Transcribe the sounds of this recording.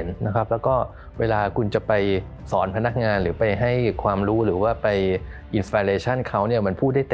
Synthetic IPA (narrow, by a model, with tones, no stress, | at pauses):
nːa˦˥kʰa˦˥p̚lɛː˦˥wkɔː˥˩ | weː˧laː˧kʰu˧nt͡ɕa˨˩pa˧j | sɔː˩˦npʰa˧na˦˥k̚ŋaː˧nɾɯː˩˦pa˧jɦa˥˩jkʰwaː˧mɾuː˦˥ɾɯː˩˦waː˥˩pa˧jʔi˧nst̪aː˧ɾeː˧t͡ɕʰa˥˩nkʰa˦˥wni˥˩ɐma˧npʰuː˥˩t̪̚da˥˩jt̪